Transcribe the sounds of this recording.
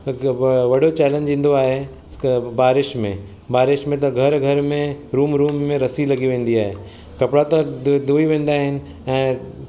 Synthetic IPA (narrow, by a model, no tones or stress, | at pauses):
ʋɐɽot͡ɕɛːlə̃nd͡ʑĩːn̆d̪oaːɦe | baːɾɪʃmḛ̃ | baːɾɪʃmẽt̪̬ɐɡʱɐɾɡʱɐɾmẽɾuːmɾuːmːẽɾɐsilɐɡiʋẽːn̆d̪iaːɦe | kɐpɽat̪ɐd̪uːiʋẽːn̆d̪aːɦɪnɪ̆ | ɛ̃ː